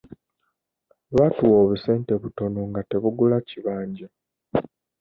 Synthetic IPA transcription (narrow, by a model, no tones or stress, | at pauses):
βatuwoːβuse̞ːnte̞βuto̞noŋɡate̞βuɡulaciβaːɲɟa